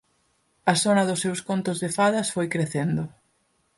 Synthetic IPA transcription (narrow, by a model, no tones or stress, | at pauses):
ɐθonɐðʊsːewskont̪ʊzðefaðɐsfojkɾeθend̪ʊ